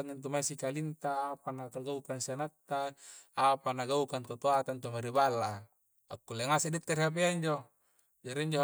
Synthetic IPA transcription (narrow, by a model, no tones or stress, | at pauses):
aŋint̪̬umaisikalint̪aːpanakaɡaukansianat̪ːaː | panaɡaukant̪ot̪oat̪ant̪umaɾibala | akːulːeŋaseʔdit̪ːeriap̬eaɲd͡ʒo | d͡ʒaɾiɲd͡ʒo